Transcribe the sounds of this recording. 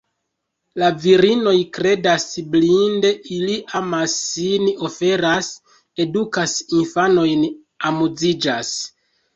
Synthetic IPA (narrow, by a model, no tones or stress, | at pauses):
laviɾino̞jkɾe̞dasblinde̞ʔiliʔamasːino̞fe̞ɾas | e̞dukasinfano̞jn | amud͡zid͡ʒas